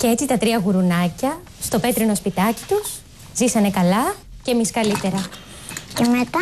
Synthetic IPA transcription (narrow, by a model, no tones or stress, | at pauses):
cee̞t͡sit̪ɐt̪ɾiɐɣuɾunɐcɐ | st̪o̞pe̞t̪ɾino̞spit̪ɐci̥t̪us | zisɐne̞kɐlɐ | cemiskɐlit̪e̞ɾɐ | cemet̪ɐ